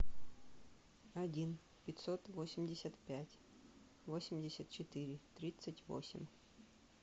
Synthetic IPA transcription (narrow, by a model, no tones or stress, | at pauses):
ɐdʲin | pʲɪt̪ʲsot̪vosʲɪmʲdʲɪsʲət̪pʲætʲ | vosʲɪmʲdʲɪsʲət̪̚t͡ɕɪt̪ɨɾʲɪt̪ɾʲit̪sətʲvo̰sʲɪ̰mʲ